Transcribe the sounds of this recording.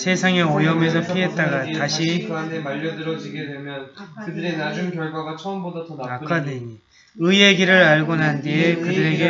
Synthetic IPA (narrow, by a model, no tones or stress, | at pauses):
sʰe̞sʰaŋe̞ojʌmes̬ʰʌpʰiɦe̞t̚t͈aɡataɕʰindʰemaʎːʌdɯɾʌd͡ʑiɡe̞dwe̞mjʌnkɯdɯɾenad͡ʑunkjʌɭɡwaɡat͡ɕʰʌʌmbodatʰʌnanakkʰadei | ɯe̞ɡiɾɯɾaɭɡonandekɯdɯɾe̞ɡe